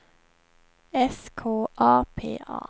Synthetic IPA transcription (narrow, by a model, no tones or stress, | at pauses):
ɛskʰoːʔɑːpʰḛːʔɑ̰ː